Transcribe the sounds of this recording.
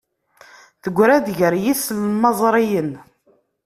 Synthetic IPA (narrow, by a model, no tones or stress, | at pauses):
θəɡʷːɾæd̪ʝəɾjislmɑzˤɾˤijən